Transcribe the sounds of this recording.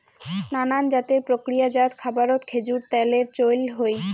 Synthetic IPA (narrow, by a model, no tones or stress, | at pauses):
nanand͡ʑat̪eɾpɾokɾijad͡ʑat̪kʰabaɾot̪kʰed͡ʑuɾt̪ɛleɾt͡ɕojlɦoj